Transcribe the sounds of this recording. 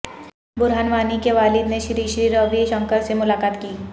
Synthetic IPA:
bʊɾɦanʋaːnikeʋaːlɪd̪neʃɾiːʃɾiːɾoːbiʃə̃ŋkəɾsemʊlaːkaːt̪kiː

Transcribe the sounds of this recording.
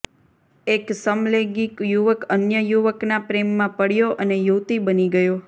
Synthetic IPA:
eksəmleɡikjuʋəkənjəjuʋəknapɾemːãpəɽjoʔənejuwt̪ibəniɡəjo

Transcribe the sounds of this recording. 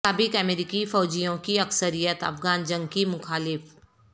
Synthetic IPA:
aːbɪkɐmeːɾikifɔːd͡ʒijõkiɐksəɾijət̪ɐ̰fɡaːnd͡ʒə̃ŋɡkimʊxaːlɪf

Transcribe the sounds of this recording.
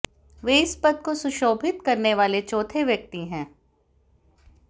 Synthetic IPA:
ʋeːɪspɐt̪̚kosʊʃoːbʱɪt̪kɐɾneʋaːlet͡ʃɔːt̪ʰeʋjɐk̚t̪iɦɛ̃ː

